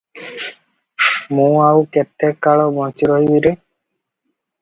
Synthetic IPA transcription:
mũawket̪ekːaɭɔbɔ̃nt͡ʃiɾɔɦibiɾe

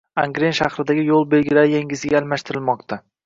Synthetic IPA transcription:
aŋɡɾenʃaχɾɪd̪aɡʲɪjolˠbelɡʲɪɾaɾjeŋʲɪzɪɡʲaːlmaʃt̪ʰɪɾɪlmɒqt̪ʰa

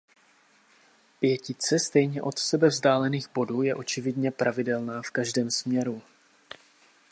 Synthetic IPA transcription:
pjɛcɪt͡sɛst̪ɛjɲɛʔo̞t̪sɛbɛvzdaːlɛniːɣbo̞duːjɛʔo̞t͡ʃɪvɪdɲɛpɾʔavɪdɛlnaːfkaʒdɛːmsmɲɛɾu

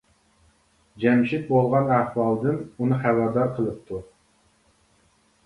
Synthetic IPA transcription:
d͡ʒɛmʃit̪̚bolˠʁɑnæhwɑlˠd̪ɨnunɨχæwɑd̪ɑɾqʰəlˠɨp̚t̪ʰu

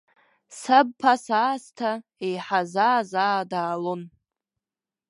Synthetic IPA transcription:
sab̚pʰasaːstʰaejħazaːzaːdaːlon

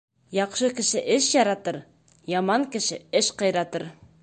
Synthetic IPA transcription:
jɑqʃɤkɘ̆ʃɘʔɘʃjɑɾɑt̪ɤɾ | jɑmɑŋkɘ̆ʃɘɘʃqɑ̆jɾɑt̪ɤɾ

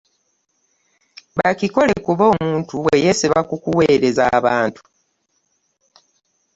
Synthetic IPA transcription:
βaciko̞le̞kuβo̞ːmuːntuwe̞jesiβakukuwe̞ːɾe̞zaːβaːntu̥

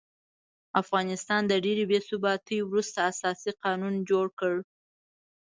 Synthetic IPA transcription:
afɣɑnɪst̪ɑnd̪əɖeɾebesubɑt̪əjwɾust̪aːsɑsiqɑnund͡ʒoɽkəɽ

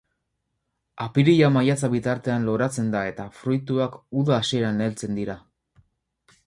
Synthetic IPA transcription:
apiɾiʎamajat͡saβit̪aɾt̪e̞anlo̞ɾat͡se̞nd̪ae̞t̪afɾujt̪uakuðaːsieɾanelt͡se̞nd̪iɾa

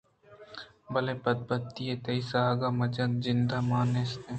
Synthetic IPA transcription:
bɐleːbɐd̪̚bɐt̪ːieːt̪ɐisaɡamɐd͡ʒɐnzɪnd̪amaːneːst̪e

